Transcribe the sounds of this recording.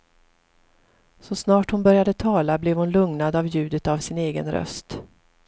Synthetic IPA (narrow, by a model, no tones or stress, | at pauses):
sɔsnɑːʈhʊnbœɾjad̪ət̪ʰɑːlablɛvhʊnlɵŋnad̪avjʉ̟ːd̪ət̪avsɪneːɡə̰nɾœ̰st̪